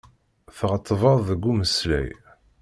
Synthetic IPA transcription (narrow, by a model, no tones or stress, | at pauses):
θʁət̪ˤːəvəðˤðəɡːuməslæ̰j